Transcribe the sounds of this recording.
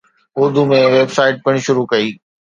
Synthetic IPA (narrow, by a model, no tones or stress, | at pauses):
ʊɾd̪ʱumẽʋeːbsaːɪʈ̚pɐɽ̃̆ʃʊɾukɐiː